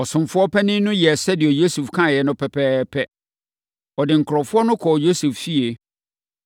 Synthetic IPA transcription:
ɔ˨sʊ̃˨mfʊ˦ɔ˦pʰɛ˦nɪ̃˦nʊ̃˦jɛ˨sɛ˦dɪ˨ɛ˨jo˦su˨fkʰã˦˨jɛ˨nʊ̃˦pʰɛ˨pʰɛː˦pʰɛ˦ | ɔ˨dɪ˨ŋ̩˨kʰɾɔ˨fʊ˦ɔ˦nʊ̃˦kʰɔ˨jo˦su˨ffi˦e˨

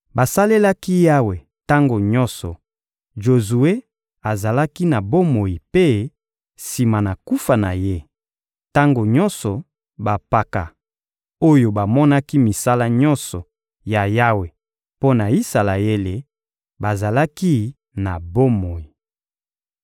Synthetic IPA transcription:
ba˨sa˦le˦la˦ki˦ja˦we˨ | ta˦ŋɡo˨ɲɔ̃˦nsɔ˨ | ʒo˨zu˨e˦ | a˨za˨la˦ki˦na˨bo˦mo˨ji˨pe˦ | si˨ma˨na˨ku˦fa˨na˨je˦ | ta˦ŋɡo˨ɲɔ˦nsɔ˨ | ba˨pa˦ka̰˨ | o˦jo˨ba˨mɔ˦na˦ki˦mi˨sa˦la˦ɲɔ̃˦nsɔ˨ | ja˨ja˦we˨ | po˦na˨i˦sa˨la˨je˦le˨ | ba˨za˨la˦ki˦ | na˨bo˦mo˨ji˨

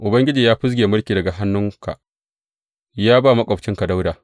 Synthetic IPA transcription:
ʔʊ˨bɐ˦ŋɡʲɪ˦d͡ʒiː˨jaː˦ɸʊ˦s̬ɡʲeː˨mʊ˦rkʲiː˨dɐ˨ɡa˨ɦa˦nːʊ˦ŋka̰˨ | jaː˦baː˦˨mɐ˦kʷʼɐ˨ɸt͡ʃɪ˦ŋka˨da˦wdaː˨

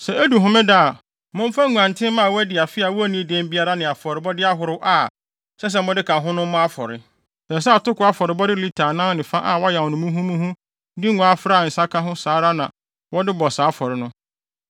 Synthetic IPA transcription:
sɛ˨æ˦du˨ɦʊ̃˦mɪ̃˦da˦a˨ | mʊ̃˦m˦fã˦ŋũ˨ã˨n˨tʰɪ̃˦mã˦˨wɔ˦æ˦dɪ˨a˨fɪ˦a˨wɔ˦æ˦nĩ˦de˦m˦bi˦a˦ɾa˦nɪ̃˨a˨fɔ˨ɾɪ˨bɔ˦dɪ˦a˦ɦʊ˨ɾɪ˦wʔa˨ | sɛ˦s̬ɛ˦mʊ̃˦dɪ˦kʰa˨ɦʊ̃˦nʊ̃˦m˦mʊ̃˦a˦fɔ˨ɾɪ̰˨ | sã˨s̬ɛ˦a˨tʊ˦kʊ˨˦a˦fɔ˨ɾɪ˨bɔ˦dɪ˦li˦tʰa˨nã˦nɪ̃˨fã˦ʔa˨wɔ˦jɛ̃˨wnʊ̃˨mũ˦ɦũ˦mũ˦hũ˦ | dɪ˦ŋɔ̃˨a˨fɾa˦˨n̩˨sa˦kʰa˦ɦʊ̃˦saː˨˦ɾa˦nã˨ | wɔ˦dɪ˦bɔ˨saː˨˦fɔ˨ɾɪ˨nʊ̃˦

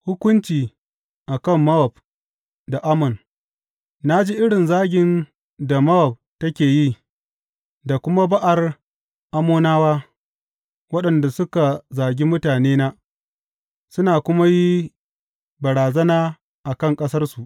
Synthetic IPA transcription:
hʊ˦kʷʊ˦nt͡ʃiː˨ | ʔa˨kɐ˦˨mːɐ˦wɔ˨b | da˨ʔa˦mʊ˨n | na˦d͡ʒi˦ʔɪ˦ɽɪ˨nzaː˦ɡʲɪ˨n | da˨mɐ˦wɔ˨b̚tɐ˦kʲeː˨ji˦ | da˨kʷʊ˦ma˦bɐ˦ʔa˨r | ʔa˦moː˦naː˦waː˦ | wɐ˦ɗɐ˨nda˨sʊ˦ka˨zaː˨ɡʲi˦mʊ˦taː˨neː˦naː˦ | sʊ˦naː˨kʷʊ˦ma˦ji˦ | bɐ˨ɽaː˨zɐ˦naː˦ | ʔa˨kɐ˦˨ŋkʼɐ˦sɐ˦rsu˨ʔ

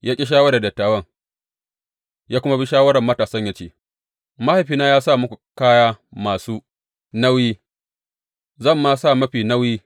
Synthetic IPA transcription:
jaː˦kʲʼi˦ʃ̬aː˦wɐ˦ɽda˨dɐ˨tːaː˨wɐ˦ŋ | jaː˦kʷʊ˦ma˦bi˦ʃaː˦wɐ˦ɾɐ˨mːɐ˦taː˨sɐ˦ɲjaː˦t͡ʃeː˦ | ma˦ha˨ɸiː˦naː˦jaː˦sa˦˨mʊ˦kʷu˨kaː˦jaː˦maː˨suː˦ | na˦wjiː˦ | zɐ˦˨mːa˦sa˦˨mɐ˦ɸiː˨nɐ˦wjiː˦

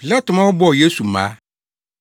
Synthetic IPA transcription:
pi˨la˦tʊ˨mã˦wɔ˦bɔ˦˨je˦su˨mã̰˦

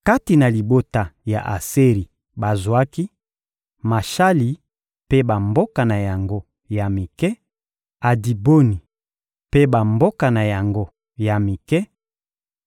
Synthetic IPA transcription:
ka˦ti˨na˨li˨bo˦ta˨ja˨ʔa˨se˦ʁi˨ | ba˨zwa˦ki˦ | ma˨ʃa˦li˨ | pe˦ba˨mbo˦ka˨na˨ja˨ŋɡo˦ | ja˨mi˨kɛ˦ | a˨di˨bo˦ni˨ | pe˦ba˨mbo˦ka˨na˨ja˨ŋɡo˦ | ja˨mi˨kɛ˦

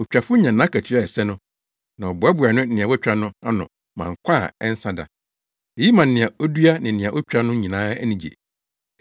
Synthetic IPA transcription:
ɔ˨t͡ɕᶣa˨fʊ˦ɲã˨nãː˦kʰæ˨t͡ɕʰi˦ɾa˦˨ɛ˨sɛ˦nʊ̃˦ | nã˨ɔ˨bʊ˨ɛ˦bʊ˨a˨nʊ̃˦n̩˦nɪ̃˨ã˨wɔ˦t͡ɕᶣɾa˦nʊ̃˦a˦nʊ̰̃˨ | mã̰˨ŋ̩˨kʷʰa˦˨ɛ˦n̩˦sã˦da̰˨ | e˨ji˦mã˨n̩˨nɪ̃˨a˨ɔ˦du˦a˦nɪ̃˨nɪ̃˨a˨ʔɔ˦t͡ɕᶣɾa˦nʊ̃˦ɲĩ˨nãː˦æ˦nĩ˨d͡ʑḛ˨

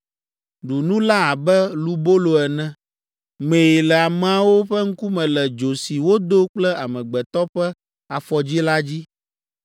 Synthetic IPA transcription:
ɖu˨nũ˦la˦a˨bɛ˦lu˦bo˦lo˨ɛ˨nɛ̃˦ | mẽ˨ji˨lɛ˨a˨mɛ˨a˨wo˦ɸɛ˦ŋ̩˦ku˦mɛ̃˨lɛ˨d͡ʒo˨si˨wo˦d̪o˦k͡plɛ˦a˨mɛ̃˨ɡ͡bɛ˨t̪ɔ˦ɸɛ˦ | a˨fɔ˨d͡ʑi˦la˦d͡ʑi˦

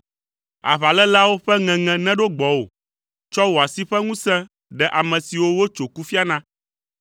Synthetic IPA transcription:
a̰˨βa˨lɛ˦la˦wo˦ɸɛ˦ŋɛ̃˨ŋɛ̃˨nɛ̃˦ɖo˦ɡ͡bɔ˨wo̰˨ | t͡ʃɔ˦wo˨a˨si˦ɸɛ˦ŋũ˦sɛ̃˦ | ɖɛ˨ʔa˨mɛ̃˨si˨wo˦wo˦t͡ʃo˨ku˦fi˦a˦nã˦

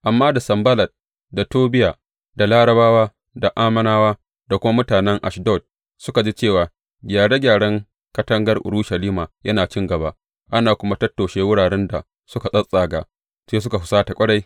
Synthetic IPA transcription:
ʔa˨mːaː˦da˨sɐ˨mbɐ˦lɐ˨d̚ | da˨toː˦bɪ˦jaː˨ | da˨laː˦ɽɐ˨baː˦waː˦ | da˨ʔaː˦mɐ˦naː˦waː˦ | da˨kʷʊ˦ma˦mʊ˦taː˨nɛ˦ŋʔa˨ʃdɔ˦˨t̚ | sʊ˦ka˨d͡ʒi˦t͡ʃeː˦˨waː˨ | ɡʲaː˨ɽe˦ɡʲaː˨ɽɐ˦ŋ | kɐ˦tɐ˦ŋɡɐ˦rʔʊ̰˨ɽuː˦ʃɐ˨liː˦maː˨jɐ˦naː˨t͡ʃɪ˦ŋɡɐ˨ba˦ʔ | ʔa˦naː˨kʷʊ˦ma˦tɐ˦tːoː˨ʃeː˦wʊ˦ɽaː˨ɽɛ˦nda˨ | sʊ˦ka˨sʼɐ˦sʼaː˨ɡaː˨ | seː˦s̬ʊ˦ka˨ɦʊ˨saː˦ta˨kʷʼɐ˦ɽa˦j

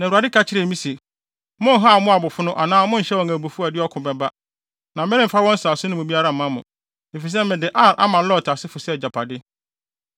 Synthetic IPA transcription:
nã˨a˨dɪ˦kʰa˦˨t͡ɕʰɪ˦ɾe˨mĩ˦si˨ | mʊ̃˦n̩˦ɦa˦˨˦mʊ̃˦a˨bʊ˨fʊ˦nʊ̃˦ʔa˨nãː˦mʊ̃˦n̩˨ɕɛ˦wɔ̃˨ŋæ̃˨bu˨fu˦a˨dɪ˦ɔ˦kʰʊ̃˨bɛ˨ba˦ | nã˨m̩˨˦ɛ̃˦ɾɪ̃˦˨m˨fa˦wɔ̃˦n̩˦saː˨sʊ̃˦nʊ̃˦mʊ̃˨bi˦a˦ɾa˦˨mã˦mʊ̃˨ | e˨fi˨s̬ɛ˦mɪ̃˨dɪ˨ʔa˦˨ʔa̰˦mã˨˦lɔ˦˨tʰa˨sɪ˦fʊ˨sɛ˦˨d͡ʑa˨pʰa˨dɪ˦

